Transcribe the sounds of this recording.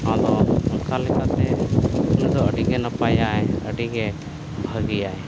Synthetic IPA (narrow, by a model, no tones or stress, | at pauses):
ad̪ɔɔnkalɛkat̪ɛulud̪ɔəɖiɡɛnəpajajəɖiɡɛ | bʱəɡijaj